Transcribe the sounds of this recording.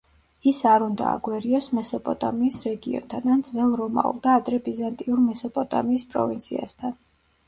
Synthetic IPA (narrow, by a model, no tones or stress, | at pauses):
isaɾund̪a̰a̰ɡwɛɾiɔsmɛsɔpʼɔt̪ʼamiːsɾɛɡiɔ̰nt̪ʰanand̪zvɛlˠɾɔma̰ṵlˠd̪aːt̪ʼɾɛbizant̪ʼiuɾmɛsɔpʼɔt̪ʼa̰miːspʼɾɔ̰vint̪sʰia̰st̪ʰan